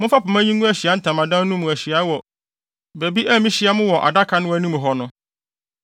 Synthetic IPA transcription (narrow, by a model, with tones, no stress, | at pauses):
mʊ̃˦fa˦pʊ˨mã˦ɲĩ˦nũ˦æ˨ɕi˨a˨˦n̩˦tʰã˨mã˨dã˦nũ˦mũ˨æ˨ɕi˨a˨˦wɔ˨ | be˨bi˦ʔæ˦mĩ˦ɕi˨˦a˨˦mʊ̃˦wɔ˨ʔa̰˨da˦kʰa˨˦nʊ̃˦wæ˨nũ˦mũ˨ɦɔ˨nʊ̃˦